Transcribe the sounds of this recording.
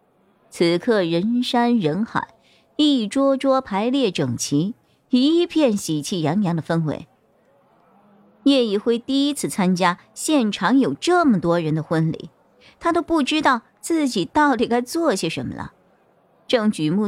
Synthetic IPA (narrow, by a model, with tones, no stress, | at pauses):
t͡sʰɹ̩˧˩kʰɤ˥˩ɻə˧˥nʂa˥nɻə˧˥nxa̰˨˩˦ | i˥˩ʈ͡ʂwɔ˥ʈ͡ʂwɔ˥pʰa˧˥ɪljɛ˥˩ʈ͡ʂɤ˨˩ŋt͡ɕʰi˧˥ | i˧˥pʰjɛ˥˩nɕi˨˩t͡ɕʰi˥˩jɑ˧˥ŋjɑ˧˥ŋd̪ə˧fə˥nxwḛ˧˥ɪ | jɛ˥˩i˥˩xwe˥˩ɪt̪i˥˩i˥t͡sʰɹ̩˥˩t͡sʰa˥nt͡ɕja˥ | ɕjɛ˥˩nʈ͡ʂʰɑ˧˥ŋjo˨˩ʊʈ͡ʂɤ˥˩mə˩t̪wɔ˥ɻə˧˥nd̪ə˧xwə˥nlḭ˧˩˦ | t̪ʰa˥t̪o˥ʊpu˥˩ʈ͡ʂɻ̩˥t̪ɑ˥˧ʊ | t͡sɹ̩˥˩t͡ɕi˨˩t̪ɑ˥˩ʊt̪i˨˩ka˥ɪt͡swɔ˥˩ɕjɛ˧˥ʂə˧˥nmə̰˨˩ə̰˨˩ | ʈ͡ʂɤ˥˩ŋt͡ɕy˨˩mu˥˩